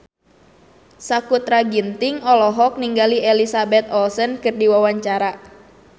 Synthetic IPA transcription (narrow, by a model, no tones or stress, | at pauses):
sakut̪ɾaɡint̪ɪŋɔlɔɦɔk̚niŋɡalielisabɛt̪ɔlsənkɨrdiwawaɲt͡ʃaɾa